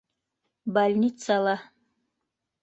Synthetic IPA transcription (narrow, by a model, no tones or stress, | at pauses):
balʲnʲit̪salˠa